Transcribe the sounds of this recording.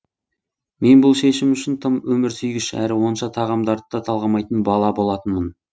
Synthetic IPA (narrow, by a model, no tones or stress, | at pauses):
me̞nbʊlˠʃe̞ʃɪmʏʃɪnt̪ʰəmwɵmɪɾsʏjɡʲɪʃæ̰ɾɪwo̞nʃɑt̪ʰɑʁɑmd̪ɑɾət̪ːɑt̪ʰɑlˠʁɑmɑjt̪ənbɑlˠɑbo̞lˠɑt̪ənmən